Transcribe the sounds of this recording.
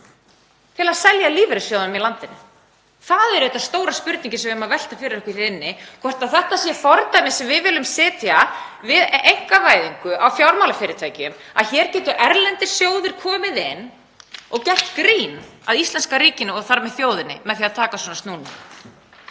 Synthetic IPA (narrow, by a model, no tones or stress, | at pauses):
t̪ʰɪlaðsɛljaliːvɛɾɪsjoːwðʏmilant̪ɪnʏ̰ | θaðɛɾðɛht̪ːast̪oːwɾaspʏɾt̪niɲcɪsɛmvɪhmavɛl̥t̪afɪɾɪɾɛhkvɪɾɪnːɪkʰvɔr̥t̪aðθɛht̪asjɛfɔɾt̪ajnɪsɛmvɪðvɪːlʏmsɪːt̪javɪðejŋ̥kavaːjðiŋkʏʔawfjawɾmawlafɪːɾɪɾt̪ʰvaːjcɪʏma̰ðçɛːɾcɛːt̪ʏʔɛɾlɛnt̪ɪ̥sjoːwðɪɾ̥kʰɔːmɪðɪn | ɔɣcɛht̪kɾiːnaðist̪ɛnskaɾiːcɪnːʏɔɣθaɾmɛðθjoːwðɪnɪ̰mɛðθiːaðt̪ʰaːkaswɔːnast̪nuːna